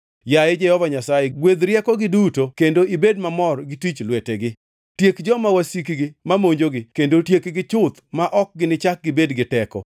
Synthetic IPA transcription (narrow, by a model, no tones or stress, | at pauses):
jaed͡ʒɛhɔvaɲasajeɡwed̪ɾjɛkɔɡɪdutokendoibedmamɔrɡɪtit͡ʃlweteɡɪ | tjekd͡ʒɔmawasik̬ɡɪmamoɲd͡ʒoɡɪkendotjekɡɪt͡ʃʊt̪maʔɔk̚ɡɪnɪt͡ʃak̚ɡɪbedɡɪtɛkɔ̰